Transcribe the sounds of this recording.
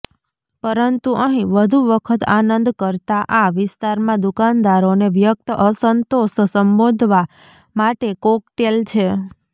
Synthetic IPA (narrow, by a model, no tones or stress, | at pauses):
pəɾənt̪uʔəɦĩʋəd̪ʱuʋəkʰət̪anənd̪kəɾt̪aʔaʋɪst̪aɾmãd̪ukand̪aɾoneʋjək̚t̪əʔəsənt̪oʃsəmbod̪ʱʋa | maʈekokʈelt͡ʃʰe